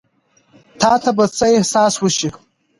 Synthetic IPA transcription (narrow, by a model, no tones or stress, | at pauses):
tʰaːtʰabat͡sʰajsaːswʊʃiχ